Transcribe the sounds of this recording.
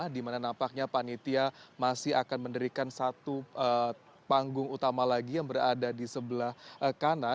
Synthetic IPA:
ahdimananampak̚ɲapanit̪iamasɪɦakanməndəɾikansat̪uʔə | paŋɡʊŋut̪amalaɡijaŋbəɾadadisəbəlahʔəkana

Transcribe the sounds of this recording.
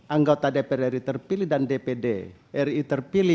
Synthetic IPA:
ʔaŋɡot̪adepɛɾɛɾit̪ərpilihdandepede | ʔɛrit̪ərpili

